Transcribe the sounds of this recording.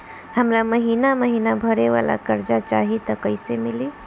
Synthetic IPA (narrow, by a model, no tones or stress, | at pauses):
həmɾaməɦiːnaməɦinabʱəɾeʋa̰la̰kəɾd͡ʒat͡ʃaɦit̪ɔkəɪsemili